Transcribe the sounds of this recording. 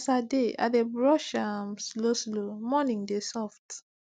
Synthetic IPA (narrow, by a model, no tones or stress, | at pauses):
sadea̰debɹɔʃamsloslomɔnĩŋdesɔft